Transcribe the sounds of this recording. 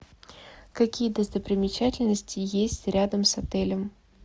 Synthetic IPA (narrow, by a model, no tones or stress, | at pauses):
kɐkʲijəd̪əst̪əpɾʲɪmʲɪt͡ɕætʲɪlʲnəsʲtʲɪjesʲtʲɾʲad̪əmsɐt̪ɛlʲəm